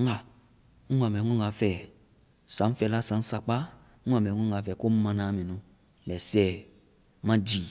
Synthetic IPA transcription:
ŋ˦a˨ | ŋ̩ʷ˦a˨m˨ɛ˨ŋʷɔ̃˦ŋa˨fɛ˨ | sã˨˦n̩˦fɛ˧la˦sã˨˦n̩˦sa˧k͡pa˦ | ŋ̩ʷ˦a˨mɛ˨ŋʷɔ̃˦ŋa˨fɛ˨ko˦m̩˦mã˧nã˨˦mẽ˨nũ˧˨ | mɛ˨sɛ˦˨˦ | mã˦d͡ʒi˨

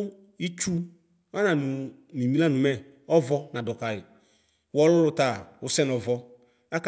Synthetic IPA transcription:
i˦t͡ʃu˦ | a˦nã˨nũ˨ | nĩ˨mĩ˦la˦nũ˨mɛ˦ | ɔ˦vɔ˦nã˨dɔ˨ka˨ɪ˨ | wɔ˦lɔ˦lʊ˦t̪a˨wo˦sɛ˦nɔ˨vɔ˦ | a˦k

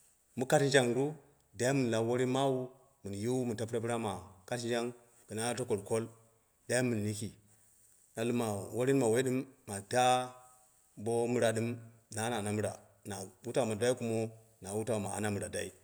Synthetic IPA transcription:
mu˦ka˦tnd͡ʒa˦ŋɾu˦ | da˦ji˦mu˨n˨la˨˦wo˦ɾi˦nma˦wu˦ | mu˨nju˦mu˨n˨ta˦pɾa˦pi˦ɾa˦ma˨ka˦tn˦d͡ʒa˦ŋ | ɡ̥ə˨na˦to˦ko˨lko˦l | da˦ji˦mu˨n˨li˦ki˨ | na˨lu˦ma˨wo˦ɾi˦nma˨we˦i˦ɗɨ˦mːa˨ta˦ | bo˦mu˦ɾa˨ɗɨ˦mna˨˦na˨na˨mu˦ɾa˨ | na˨u˦ta˦˨ma˨da˦i˦ku˦mo˦ | na˨wu˦ta˨ma̰˨a̰˨˦na˦mu˨ɾa˨da̰˦ḭ˦

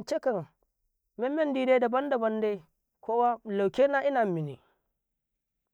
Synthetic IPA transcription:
nt͡ʃe˦kɐ˨ŋ | mɛ˦mːɛ˦ndiː˦de˦da˨bɐ˦ndɐ˨bɐ˦nda˦j | kʷoː˦wa˦la˨wkʲeː˦na˦ʔɪ˦naː˨mi˨nḭ˨

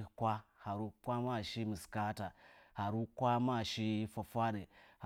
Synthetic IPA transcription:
kʷa˦ha˨ɾu˦kʷa˦ma˦˨ʃi˦mi˨ska˦ta˨ha˨ɾu˦kʷa˦ma˦˨ʃi˦fa˨fa˦ɗə˨h

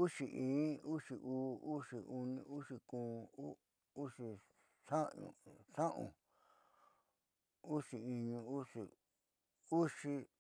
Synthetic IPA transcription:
u˦ʂi˨˧ʔĩː˨˦u˦ʂi˨ʔuː˦u˦ʂi˨u˧nĩ˧u˦ʂi˧kũː˨˦ | u˦ʂi˧ | ʂã˦ɲṵ̃˧ʂã˦ʔṵ̃˨ | u˦ʂi˧i˧ɲũ˧u˦ʂi˨ | u˦ʂi˧

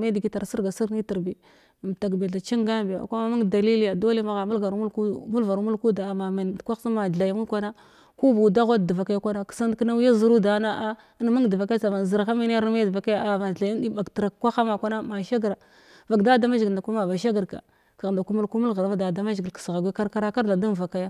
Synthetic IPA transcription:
me˦dɡi˦ta˨ɾsi˦ɾɡa˨si˦ɾni˦ti˨ɾbi˨ | m˨ta˨ɡbe˨ɮa˨t͡ʃi˦ŋɡa˦bi˨a̰˨kʷa˦ma˦ma˦ŋda˨li˦li˦ja˨do˦li˦ma˦ɣa˨mu˦lɡa˨ɾmu˦ku˦mu˦lva˨ɾmu˦lku˦da˨ma˨ma˨n˨kʷa˦sa˦ma˨a˨jmu˦lkʷa˦na˦ | ku˦bu˨da˦ɣʷa˦d̚dva˨ka˦jkʷa˦na˦ksa˦n˦kna˦ja˦zu˨ɾu˦da˨˦na˦ʔa˦ | n˦ma˦ŋ˨də˨va˨kt͡sa˨ma˨zi˨ɾxa˦mi˦n˦a˦ɾa˦ma˦jdva˨ka˦ja˦a˨ma˨a˨jn˦i˦ba˨ɡtɾa˨kkʷa˦xa˦ma˨kʷa˦na˦ma˨ʃa˦ɡɾa˨ | va˨ɡda˦da˦ma˦ʒɡi˨nda˨ku˦ma˨va˨ʃ̬a˦ɡə˨ɾka̰˨ | ka˨ɣnda˨ku˦mu˦lku˦mu˦lɣa˨ɾa˨vda˨da˦ma˦ʒɡi˨lksɣa˨ɡʷi˦ka˦ɾka˦ɾa˦ka˦ɾda˨du˦n˨va˨ka˦ja˦

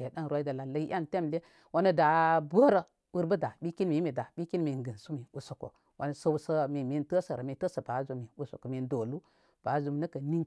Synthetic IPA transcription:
e˨da˦n˨ɾwa˦i˦da˨la˨lə˦i˦ʔa˦nte˦mle˦ | wa˦nə˦da˨bo˦ɾə˨ | wu˦ɾbə˦da˨ɓi˦ki˦nmi˨˦mi˨da˨ɓi˦ki˦nmi˨ɡə˨su˦mi˨u˨so˨ko̰˨ | wʔa̰˨˦nə˨sə˦u˦sə˦mi˨mi˦ntə˦sə˨ɾə˨mi˨tə˦sə˨ba˨˦zu˦mi˨u˨so̰˨ko˨mi˨˦ndo˨lu˦ | b̥a˨˦zu˦m˦nə˦kə˨ni˦ŋ

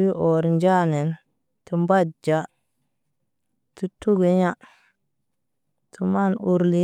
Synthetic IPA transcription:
wi˦ʔo˨ɾnd͡ʒa˦ne˨n | tu˨mba˦dd͡ʒa˨ | tu˦tu˦ɡe˨ɲa˦ | tʰu˨ma˦˨nu˨ɾli˦

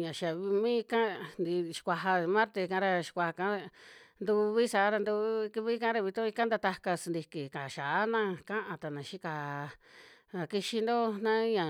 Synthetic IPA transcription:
ɲã˨ʃa˨βi˧mĩ˦˧kã˦nd̪i˧ʃi̥˧kʷa˧ɦa˧mã˦ɾt̪e˧kã˧˦ɾa˧ʃi̥˧kʷa˧ha˧kã˧˦˧nd̪u˧βi˦sa˨˦ɾa˧nd̪u˧˦˧ki˧βi˦kã˦ɾa˧βi˧t̪ũ˦i˧ka˦nd̪a˧t̪a˧ka˧snd̪i˧ki˨ka˨ʃa˨a˦nã˦˧kã˦ʔã˧t̪a˨nã˨ʃi˦ka˧ | a˧ki˧ʃi˧nd̪o˦nã˦ɲã˨

